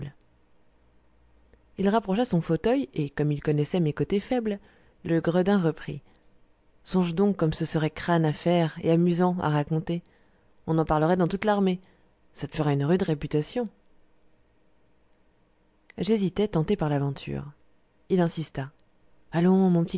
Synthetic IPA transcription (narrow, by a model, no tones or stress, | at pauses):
ilʁapχɔʃasɔ̃fot̪œjekɔmilkɔnɛsɛmekot̪efɛbl | ləɡʁəd̪ɛ̃ʁəpχḭ | sɔ̃ʒd̪ɔ̃kːɔmsəsəʁɛkχanafɛʁḛamyzɑ̃a̰ʁakɔ̃t̪e | ɔ̃nɑ̃paʁləʁɛd̪ɑ̃t̪ut̪laʁme | sat̪ə̥fəʁaynʁyd̪ʁepyt̪asjɔ̃ | ʒezit̪ɛt̪ɑ̃t̪epaʁlavɑ̃t̪ʰy̰ːʁ | ilɛ̃sist̪a | alɔ̃mɔ̃pət̪i